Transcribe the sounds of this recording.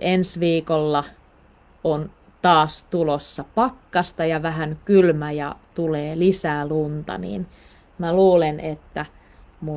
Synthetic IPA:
ensʋiːkolːɑ | on | t̪ɑːst̪ulosːɑpɑkːɑst̪ɑjɑʋæɦænkylmæjɑ̰t̪uleːlisæːlunt̪ɑ̰nḭːn | mæluːlenet̪ːæ | mu

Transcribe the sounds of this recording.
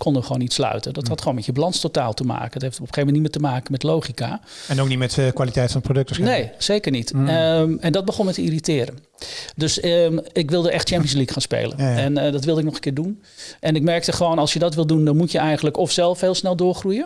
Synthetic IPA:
kʰɔndəχəʋoːnitslœ̰ɥtədɔtɦɑtχʋoːnmɛtjəblɑnstota̰ːlˠtəma̰ːkəətɦejftɔpəxejvmɛntnimɪːtəmaːkəmɛtlowχika̰ | ɛnowknitmɛtkʋaːlitɛjtfɑnprodɵk̚tənejsejkərnit | ɛndɔd̚bəχɔnmɛtəiritɪːɾən | døsəɪkʋɪlˠdəʔɛxtt͡ʃɛmpijənslikχaːnspḛjlə̰nɛndɔtʋɪlˠdəɪknɔχəkɪːɹdun | ʔɛnɪkmɛɹk̚təχəʋownɑlˠsjədɔtʋɪlˠdundɔnmutjəɛjχənləkɔfsɛlˠfhɪːlˠsnɛlˠdʊːɹχrujə

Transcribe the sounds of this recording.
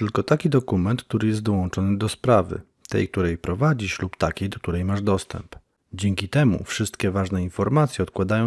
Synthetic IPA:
t̪ɘlkɔt̪akʲid̪ɔkumɛnt̪k̚t̪uɾɘjɛst̪d̪ɔwɔnt͡ʂɔnɘd̪ɔspɾavɘ̰ | t̪ɛ̰jk̚t̪uɾɛjpɾɔvad͡ʑiɕlupt̪akʲejd̪ɔk̚t̪uɾɛjmaʐd̪ɔst̪ɛ̰mp | d͡ʑɛŋkʲit̪ɛmṵfʂɘst̪kʲɛvaʐnɛinfɔɾmat̪sʲjɛɔt̪kwad̪ajɔ̃

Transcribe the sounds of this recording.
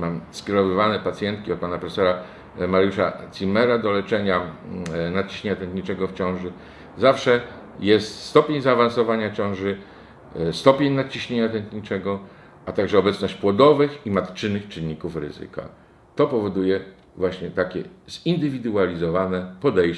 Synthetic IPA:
mamskʲeɾɔvɘvanɛpat̪sʲjɛnt̪̚kʲiɔt̪̚panapɾɛfsɛɾa | maɾjuʂat̪sʲimɛɾad̪ɔlɛt͡ʂɛɲa | nat̪̚t͡ɕiɕɲeɲat̪ɛnt̪ɲit͡ʂɛɡɔft͡ɕɔ̃w̃ʐɘ | zafʂɛ | jɛst̪st̪ɔpʲeɲzaːvansɔvaɲat͡ɕɔ̃ʐɘ | st̪ɔpʲeɲnat̪̚t͡ɕiɕɲeɲat̪ɛnt̪ɲit͡ʂɛɡɔ | ʔat̪aɡʐɛɔbɛt̪snɔɕt͡ɕpwɔd̪ɔvɘximat̪t͡ʂɘnːɘxt͡ʂɘnːikufɾɘ̰zɨ̰ka̰ | t̪ɔpɔvɔd̪ujɛ | vwaɕɲɛt̪akʲɛzind̪ɘvʲid̪ualʲizɔvanɛpɔd̪ɛj

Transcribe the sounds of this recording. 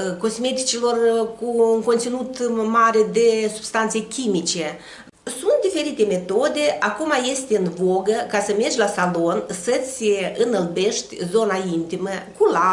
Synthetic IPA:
ko̞sme̞t̪i̥t͡ʃilo̞rkuːŋkont̪sinut̪maɾed̪e̞sub̥st̪ant̪sekʲimit͡ʃe̞ | sunt̪̚d̪ife̞ɾit̪e̞me̞t̪o̞d̪e̞akumaje̞st̪eɨnvo̞ɡəkasəme̞rd͡ʒʲlasalo̞nsət̪sʲɨnəlbe̞ʃt̪ʲzo̞naint̪iməkula

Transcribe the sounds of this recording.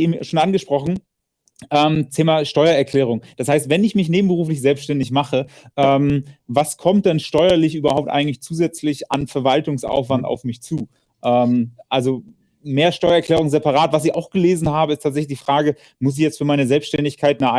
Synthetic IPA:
eːm̩ʃoːnʔanɡəʃpʁ̥ɔχn̩ | ʔɛːmtʰeːmaʃtɔʏɐɛɐkl̥ɛːʁ̞ʊŋd̥ashaɪstv̥ɛnɪçmɪçneːbm̩bəʁuːflɪç̬z̥ɛlpsʃtɛndɪçmaχəʔɛːmvaskʰɔmt̚d̥ɛnʃtɔʏɐlɪçʔyːbɐ̰haʊp̚tʔa̰ɪɡŋ̩tlɪçt͡suːzɛt͡slɪça̰nfɛɐvaltʊŋsʔa̰ʊfv̥anta̰ʊfmɪçt͡suː | ʔɛːmʔalzo | meːɐʃtɔʏɐɛɐklɛːʁ̞ʊŋzɛpaʁaːtv̥as̬ɪçaʊxɡ̥əleːzn̩ɦaːbəɪstʰaːtzɛçlɪçd̥iːfʁ̥aːɡə | mʊs̬ɪçjɛt͡stfyːɐmaɪnəzɛlpsʃtɛndɪçkʰaɪtnaa

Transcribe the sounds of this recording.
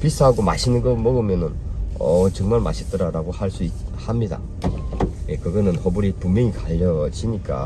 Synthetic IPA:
pis͈ʰaɦaɡoma̰ɕʰinɯnɡʌmʌɡɯmjʌnɯnʌt͡ɕʌŋmaɭma̰ɕʰit͈ʌɾaɾaɡohaɭs͈uihamɲida̰ | jekɯɡʌnɯnhobuɾipuŋmjʌŋikaʎːʌd͡ʑiɲik͈a̰

